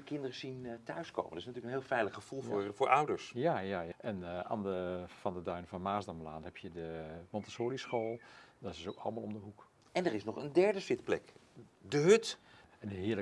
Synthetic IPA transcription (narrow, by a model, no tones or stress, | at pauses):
əkɪndərəzintœɥsko̰wməndəɪsnatyːəkənɦeːlˠfɛjləχːəv̥ulˠːfʊːɹʔʌwdəɹsjajajaʔɛna̰ːndəfɑndədœɥnfɔnmaːzdɔmlaːnhɛpʰjədəmɔntə̥soːlisχoːlˠdɔtɪsowkʰɑ̰ləmaːlˠɔmdəɦuk | ɛnərɪsnɔχəndɛɹdəfɪtplɛkdəɦøt | ɛnənɦɪəl